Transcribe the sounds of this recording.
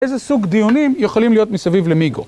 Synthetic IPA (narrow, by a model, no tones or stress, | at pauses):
ejzesuɡd̪ijunimjeχolimlijo̞t̪misavivlemiɡo̰